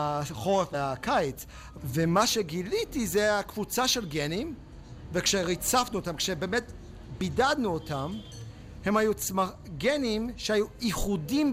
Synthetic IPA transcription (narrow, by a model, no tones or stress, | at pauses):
χoʁefeakajt͡s | vemaʃeɡilitizeakvut͡saʃelɡenim | vekʃeʁit͡safnuotamkʃebeːmet | bidad̪nuotam | he̞mhajut͡sma | ɡenimʃehajuiχudim